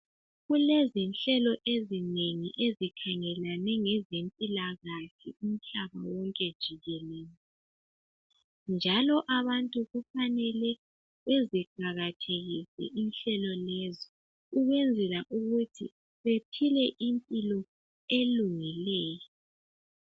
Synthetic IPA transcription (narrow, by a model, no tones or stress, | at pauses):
ɣulɛzinɬɛlɔʔezineŋiʔezikʰaŋɛlanɛŋɛzempʼilaɣaɬium̩ɬaβa̰wɔŋkʼɛd̥ʒ̥ʱiɣɛlɛːjɔ | nd͡ʒʱalɔʔaβantʼuɣufanɛlɛ | βeziǃaɣatʰeɣisɛ̰ʔinɬɛlɔlɛzɔ | uɣwɛnd͡zʱɛlaʔuɣutʰḭ | βepʰilɛʔimpʼilɔ | eluŋilɛːjɔ